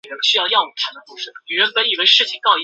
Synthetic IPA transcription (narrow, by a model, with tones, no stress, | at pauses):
ə˧˥˩ɕy˥jɑ˥˧ʊjɑ˥˩wɔ˨˩ʈ͡ʂʰa˧˥nd̪ə˧˩u˥˩ʂ̩˧˩ny˨˩ɻə˧˥npə˧˥ni˨˩we˥ɪʂɻ̩˥˩t͡ɕʰi˨˩ŋkɑ˥˩ʊi˧